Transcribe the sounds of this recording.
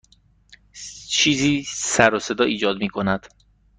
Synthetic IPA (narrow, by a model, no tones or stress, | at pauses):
t͡ʃʰiːziːsæɾose̞d̪ɒːʔiːd͡ʒɒːd̪miːkʰo̞næd̪̥